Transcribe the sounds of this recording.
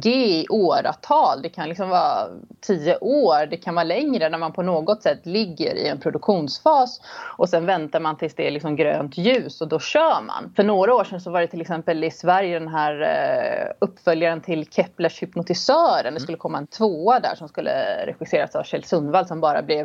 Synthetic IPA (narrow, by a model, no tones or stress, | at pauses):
ɡeːʔoːɾa̰t̪ʰɑːld̪ɛkʰanlɪksɔmvɑːt̪ʰiːəʔoːɾd̪ɛkʰanvɑːɾlɛŋɾənæɾmanpʰɔnoːɡɔt̪sɛt̪ːlɪɡːə̰ɾʔɪ̰ɛnpʰɾʊd̪ɵkɧuːnsfɑːsʔɔsɛnvɛnt̪aɾmant̪ʰɪlsd̪ɛlɪksɔmɡɾø̰ːnt̪jʉ̟ːsɔd̪ɔɕœːma̰nfœɳoːɡɾaoːʂɛnsɔvaɖɛt̪ʰɪlɛksɛmpəlɪsvæɾjəd̪ɛnɦæːɾ | ɵpːfœljaɾənt̪ʰɪlkʰɛpləʂhʏpnʊt̪ɪsœːɾə̰nd̪ɛs̬kɵlːəkʰɔmːaɛnt̪ʰvoːad̪æ̰ːʂɔmskɵlːə̰ɾɛ̰ɧɪseːɾasavɕɛlsɵnd̪vald̪sɔmbɑːɾa̰blɛv